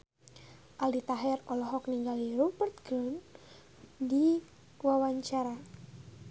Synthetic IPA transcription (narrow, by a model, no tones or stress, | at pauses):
ʔalit̪aɦɛrɔlɔɦɔkniŋɡaliɾɔbərt̪̚ɡɾun | di | wawaɲt͡ʃaɾa